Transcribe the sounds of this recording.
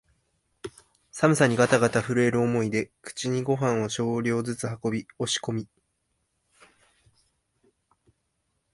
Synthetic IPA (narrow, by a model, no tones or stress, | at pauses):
samɯ̟saɲ̟iɡat̪aɡat̪aɸɯ̟ɾɯ̟e̞ɾɯ̟omo̞id̪e̞kɯ̟̥t͡ɕiɲ̟iɡo̞ɦãɰ̃oɕo̞ːɾʲo̞ːzɨt͡sɨhako̞bʲio̞ɕi̥ko̞mʲi